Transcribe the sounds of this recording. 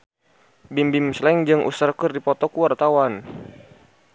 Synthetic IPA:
bimbimslɛŋd͡ʒɨŋʔṵsərkɨrdipɔt̪ɔkuwart̪awan

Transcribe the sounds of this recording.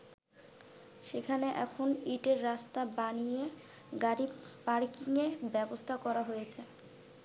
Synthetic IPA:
ʃekʰaneʔɛkʰoniʈeɾːast̪abanije | ɡaɾipaɾkiŋebɛbost̪ʰakɔɾaɦojet͡ɕʰe

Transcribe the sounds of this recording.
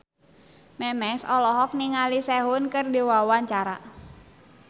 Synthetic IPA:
mɛmɛsɔlɔɦɔk̚niŋalisɛɦʊnkɨrdiwawaɲt͡ʃaɾa

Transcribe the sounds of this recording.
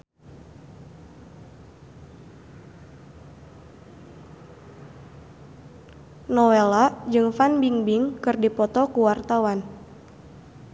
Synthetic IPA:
nɔwɛlad͡ʒɨŋfanbiŋbiŋkɨrdipɔt̪ɔkuwart̪awan

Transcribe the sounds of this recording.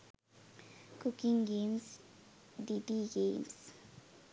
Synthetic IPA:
kukiŋɡems | d̪id̪iɡems

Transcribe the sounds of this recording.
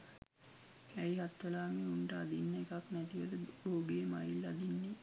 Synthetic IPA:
æjɦat̪ʋəlaːmeuɳʈəad̪inːəekaknæt̪iʋəd̪əboːɡeːmajilːad̪inːe

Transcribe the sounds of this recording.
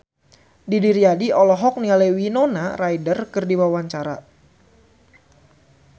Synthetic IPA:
didiɾiadiʔɔlɔɦɔk̚nialewinonarajdərkɨrdiwawaɲt͡ʃaɾa

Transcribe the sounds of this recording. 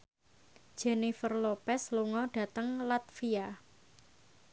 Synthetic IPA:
d̥ʒ̥enifərlopɛsluŋɔɖ̥ä̤t̪əŋlat̪̚fia

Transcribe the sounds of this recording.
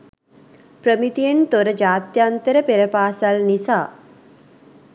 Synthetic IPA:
pɾəmit̪ient̪oɾɐd͡ʒaːt̪jant̪əɾəpeɾɐpaːsɐlnisaː

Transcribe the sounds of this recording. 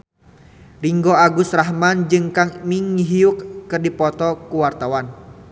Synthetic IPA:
riŋɡɔaɡusraɦmand͡ʒɨŋkaŋmiŋiɦiukːɨrdipɔt̪ɔkuwart̪awan

